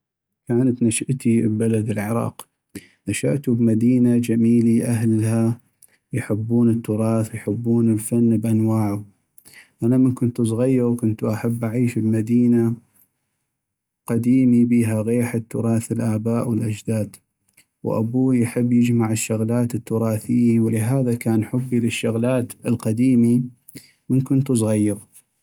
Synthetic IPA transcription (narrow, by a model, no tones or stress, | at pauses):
kaːnat̪naʃaʔt̪ibalad̪ɪlʕɪɾˤɑ̰ːq | naʃaʔt̪ubmad̪iːnad͡ʒamiːliʔaɦlha | jħəbːuːnət̪ːʊɾˤɑːθwjħəbːuːnəlfanːbʔanwaːʕʊ | ʔanamənkʊnt̪sˤɣajːɑɾkʊnt̪uʔaħabːʔaʕiːʃbmad̪iːna | qad̪iːmibiːɦaɣeːħat̪ːʊɾˤɑːθɪlʔaːbaːʔwɪlʔad͡ʒd̪aːd̪ | wʔa̰buːjħɪbːjɪd͡ʒmaʕəʃːʊɣlaːt̪ət̪ːʊɾˤɑːθɪjːiwlɪɦaːðakaːnħʊbːilɪʃːʊɣlaːt̪əlqɑd̪iːmi | mənkʊnt̪us̬ˤɣajːɑɾ